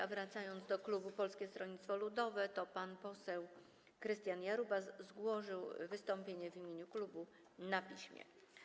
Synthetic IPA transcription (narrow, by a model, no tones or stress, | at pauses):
avɾat̪sajɔnd̪zd̪ɔklubupɔlskʲɛst̪ɾɔɲit̪t̪fɔlud̪ɔvɛt̪ɔpanpɔsɛw | kɾɘst̪ʲjanjaɾubaszɡwɔʐɘwvɘst̪ɔmpʲjeɲɛvʲimʲjeɲuklubu | napʲiɕmʲjɛ̰